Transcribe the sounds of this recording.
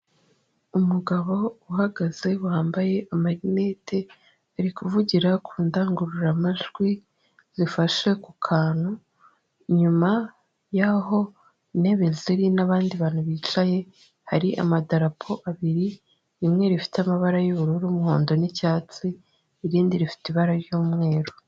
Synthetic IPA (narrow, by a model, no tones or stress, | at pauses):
umuɡaβo̞uhaɡaze̞wuhaːmbaje̞ʔamaɾineːtʰe̞ | aɾikuvuɟiɾakʰuːndaːŋɡuɾuɾamaʒɡwi | z̥ifaʃe̞kukʰaːn̥u | iɲuma | jaɦo̞ | ne̞βeziɾinaβaːndiβaːn̥huβiːt͡ʃaje̞ | haɾiʔa̰madaɾapʰo̞ʔaβiɾi | imŋe̞ɾifi̥tamaβaɾajuβuɾuɾuːmuhoːndo̞nicaːt͡siː | ɾiːndiɾifi̥tiβaɾaɾjuːmŋe̞ːɾo